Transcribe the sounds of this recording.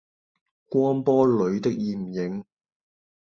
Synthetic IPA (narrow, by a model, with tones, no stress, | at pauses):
kʷwɔː˥npɔː˥lɵ˨˧˥ɥt̪ɪ˥k̚jiː˨˩m̩˨˩jɪ˨˥ŋ